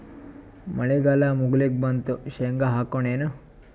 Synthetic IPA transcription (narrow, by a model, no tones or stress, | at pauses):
mɐɭeɡaːlamuɡlek̚bɐnt̪uʃeŋɡaɦaːkoɳeːnu